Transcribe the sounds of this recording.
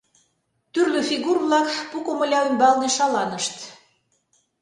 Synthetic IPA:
t̪yrlø̆fiɣurβlɑkpukŏmə̆lʲɑymbɑlneʃɑlɑnəʃt̪

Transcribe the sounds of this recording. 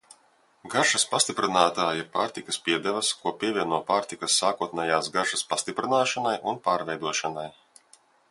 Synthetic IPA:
ɡaɾʒɐspast̪ipɾinaːt̪aːjiɾpaːɾt̪ikɐspʲiɛd̪ɛvɐskuɔpʲiɛvʲiɛnuɔpaːɾt̪ikɐsːaːkuɔt̪nɛjaːsɡaɾʒɐspast̪ipɾinaːʃanajʔunpaːɾvɛjd̪uɔʃɐnaj

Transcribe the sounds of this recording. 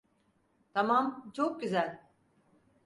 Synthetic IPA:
t̪ɐmaːmt͡ʃʰoːk̚ɡyzælʲ

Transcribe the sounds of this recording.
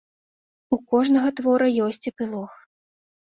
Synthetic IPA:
ukɔʐnɐɣɐt̪vɔɾɐjɔsʲt͡sʲɐpɨlˠɔx

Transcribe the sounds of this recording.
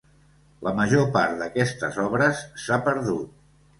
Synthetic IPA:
ləməʒopaɾt̪d̪əkɛst̪əzɔβɾəsːapəɾðut̪̚

